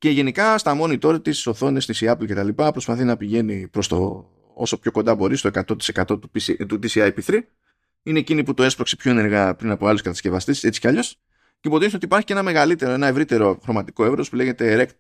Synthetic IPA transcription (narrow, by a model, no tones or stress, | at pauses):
ce̞ʝe̞nikɐst̪ɐmo̞nit̪o̞ɾɐt̪isso̞θo̞nesnisiɐplce̞t̪ɐlipɐpɾo̞spɐθinɐpiʝe̞nipɾo̞st̪o̞̰ | o̞̰so̞pço̞ko̞nd̪ɐbo̞ɾist̪o̞e̞kɐt̪o̞t̪i̥se̞kɐt̪o̞t̪u̥pit̪ut̪isiɐjpiθɾi | ine̞ːciniput̪oespɾo̞ksepço̞e̞ne̞ɾɣɐpɾinɐpoɐluskɐt̪ɐsce̞vɐst̪ise̞t͡si̥cɐʎo̞s | ceipo̞t̪isnot̪ipɐɾçi̥ce̞nɐme̞ɣɐlit̪e̞ɾoe̞nɐe̞vɾit̪e̞ɾo̞xɾo̞mɐt̪i̥ko̞e̞vɾo̞spule̞ʝe̞t̪e̞ɾe̞kt̪